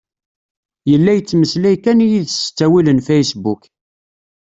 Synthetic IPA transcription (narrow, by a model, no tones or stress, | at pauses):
jəlːæjət͡sːməslæjkænijiðst͡sːæwilənfejsbuk